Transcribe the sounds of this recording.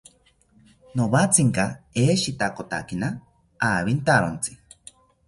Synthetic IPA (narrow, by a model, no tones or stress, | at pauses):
noβat͡sʰiŋkaeːʃit̪akot̪a̰kina | aːβint̪aɾont͡si̥